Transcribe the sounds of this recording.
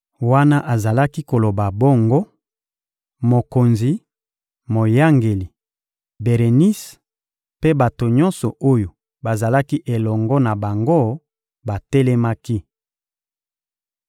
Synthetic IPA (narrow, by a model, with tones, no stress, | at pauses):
wa˦na˦ʔa˨za˨la˦ki˦ko˨lo˨ba˨bo˦ŋɡo˦ | mo˨ko˨nzi˨ | mo˨ja˦ŋɡe˨li˨ | be˨ʁe˨ni˦s | pe˦ba˨to˨ɲɔ˦nsɔ˨o˦jo˨ | ba˨za˨la˦ki˦ʔe˨lɔ˨ŋɡɔ˦na˨ba˨ŋɡo˦ | ba˨te˦lɛ˦ma˦ki˦